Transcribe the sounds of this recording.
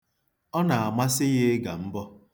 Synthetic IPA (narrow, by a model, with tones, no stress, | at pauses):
ɔ˦na˨a˨ma˦sɪ˦ɣɪ˦ɡa˨m̩˦bɔ˦